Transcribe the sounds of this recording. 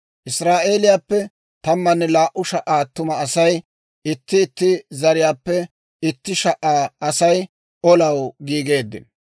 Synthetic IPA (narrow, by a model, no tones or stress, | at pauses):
ʔɪsɾaːʔe̞ːlɪjaːpːɛ | t̪ɐmːɐnːɛlaːʔʊʃɐʔaːt̪ʊmɐːsɐj | ɪt̪ːɪːt̪ːɪzɐɾɪjaːpːɛ | ɪt̪ːɪʃɐʔaːɐsɐj | ʔɔlɐwɡiːɡe̞ːd̪ːɪ̰n